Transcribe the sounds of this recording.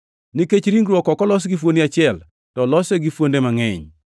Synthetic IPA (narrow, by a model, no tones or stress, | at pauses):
niket͡ʃɾiŋɡɾwɔkɔkɔlɔs̬ɡifwondiat͡ʃɪɛl | tɔlɔseɡifwondemaŋɛɲ